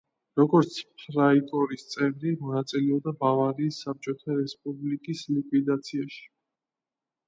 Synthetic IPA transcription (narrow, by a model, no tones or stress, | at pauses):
ɾɔɡɔɾt̪sʰpʰɾait̪ʼɔɾist̪sʼɛvɾimɔnat̪sʼilɛɔbd̪abavaɾiːsːap̚t͡ʃʼɔt̪ʰaɾɛspʼublikʼislikʼwid̪at̪sʰiaʃi̥